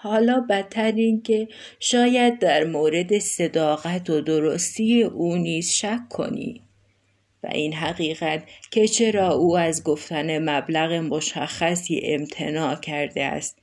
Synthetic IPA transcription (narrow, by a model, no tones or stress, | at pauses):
hɒːlɒːbæt̪ʰːæɾiːncʰe̞ | ʃɒːjæd̪̚ːæɾmoːɾe̞d̪e̞se̞d̪ɒːɣæt̪ʰod̪oɾost̪iːjeʔuːniːz̥ʃækʰːo̞̰nḭː | væ̰ʔinɦæɣiːɣæt̪cʰe̞t͡ʃʰe̞ɾɒːuːæzɡoft̪æne̞mæblæɣemoʃæxːæsḭːʔḛmt̪ʰe̞nɒːcʰæɾd̪eæ̰st̪̚